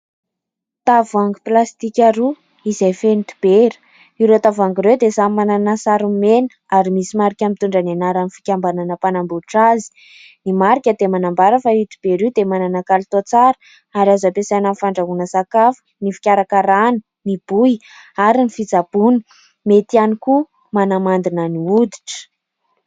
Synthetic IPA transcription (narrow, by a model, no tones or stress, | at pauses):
t̪avaŋɡiplast̪ikʲaɾu | izajfenit̪i̥b̥eɾ̥ | iwɾet̪avaŋɡiɾewd̪esamananasaɾumenə̥ | aɾimisimaɾikʲamint̪uɳɖ͡ʐanenaɾanifi̥kʲambananəpanambuʈ͡ʂazi̥ | nimaɾikʲəd̪emanambaɾəfait̪i̥b̥eɾiwd̪emananakalit̪ot͡saɾə̥ | aɾazapesananifaɳɖ͡ʐaɦunəsakafə̥nifi̥kʲaɾakaɾanə̥ | nib̥uj | aɾinifid͡zab̥unə̥ | met̪ianiku | manamand̪inəniud̪i̥ʈ͡ʂə̥